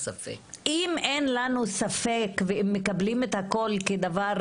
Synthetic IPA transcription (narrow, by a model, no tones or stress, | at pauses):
safeʔimenlanusafekveemːekablimet̪hako̞lked̪avaʁ